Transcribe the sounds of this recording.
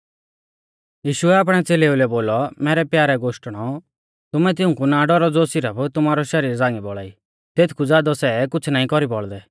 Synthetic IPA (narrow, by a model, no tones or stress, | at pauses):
jiːʃʊɛaːp̬ɽ̃ɛt͡seːleulɛboːlɔmɛːɾɛpjaːɾɛɡoːʃʈɽ̃ɔ | t̪ʊmɛt̪ɪũkunaɖɔɾɔd͡zoːsɪɾəpʰt̪ʊmaːɾɔʃɐɾiːɾd͡zaːŋɡibɔɭa̰ːi | t̪eːt̪ʰkʰud͡zaːd̪ɔsɛkʊt͡sʰnaːĩkɔɾibɔɭd̪ɛ